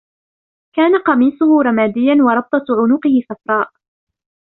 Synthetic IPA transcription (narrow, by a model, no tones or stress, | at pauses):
kaːnaqɑmiːsˤʊhʊɾˤɑmaːd̪ɪjːanwɑɾˤɑb̚t̪ˤɑʕʊnʊqɪhɪθafɾˤɑːʔ